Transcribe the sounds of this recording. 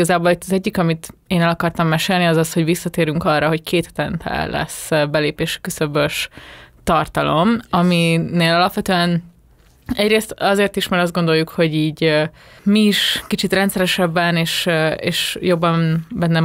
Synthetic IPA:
ɒzaːboːlit̪ːɒzɛɟːikɒmit̪eːnɛlɒkɒrt̪ɒmːɛʃeːlniɒzɒsho̞ɟʋisːɒt̪eːɾyŋkɒrːɒɦo̞ckʰeːt̪hɛt̪ɛnt̪ʰɛ̰llɛ̰sbɛleːpeːʃɛ̥køsøbøʃt̪ɒrt̪ɒlo̞mɒmineːlɒlɒpʋɛt̪øːɛn | ɛɟɾeːst̪ɒzeːrt̪iʃmaɾɒzd̪ɡo̞nd̪o̞jːukho̞ɟiːɟ | miːʃkit͡ʃit̪rɛnt̪sɛɾɛʃɛbːɛneːʃeːʃjo̞bːɒmbɛnːɛ

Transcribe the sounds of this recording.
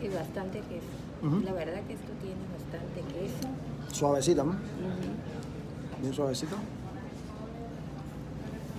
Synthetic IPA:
ezβast̪ant̪ekeso | laβeɾðakeest̪ot̪jeneβast̪ant̪ekeso | swaβes̬it̪am̩ | h̩ | bjenswaβesit̪a

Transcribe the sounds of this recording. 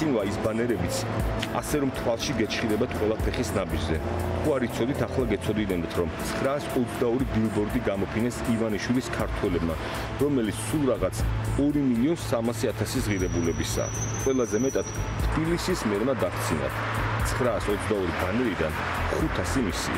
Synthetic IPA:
invaisbanɛɾɛbit̪sʰa̰sɛɾɔmt̪ʰwalˠʃiɡɛt͡ʃʰχid̪ɛbat̪ʰqʼwɛlˠapʰɛχisnabid͡ʒzɛt̪ʰuaɾit̪sʰɔd̪it̪ʰaχlˠaɡɛt̪sʰɔd̪id̪ɛnd̪t̪ʰɾɔmt̪sʰχɾaːsɔt̪sʰd̪aɔɾibilˠbɔɾd̪iɡamɔpʰinɛsivaniʃwiliskʰaɾt̪ʰwɛlɛbma | ɾɔmɛlit̪sʰsulˠɾaʁat̪sʰɔɾimiliɔnsamasiat̪ʰasisʁiɾɛbulɛbisa̰ːqʼwɛlˠazɛmɛt̪ʼad̪̥t̪ʰbilisismɛɾmad̪akʰt̪sʰina̰ | t̪sʰχɾaːsɔt̪sʰd̪aɔɾibanɛɾid̪a̰n | χut̪ʰasimisḭ

